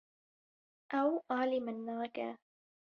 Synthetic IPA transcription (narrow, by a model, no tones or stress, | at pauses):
ʔawʔaːlɪmanːaːka̰